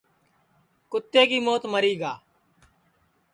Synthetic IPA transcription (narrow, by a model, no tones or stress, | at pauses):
kʊt̪ːeːkiːmoːt̪məɾiːɡaː